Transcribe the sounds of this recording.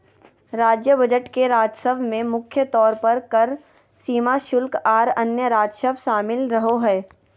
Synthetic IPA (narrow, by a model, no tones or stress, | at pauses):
ɾaːd͡ʒjəbɐd͡ʒəʈkeɾaːd͡ʒsəbmẽmʊkʰjət̪ɔːɾpɐɾkɐɾ | siːmaʃʊlkaːɾɐnjəɾaːd͡ʒʃəʃaːmɪlɾɐɦoɦɛː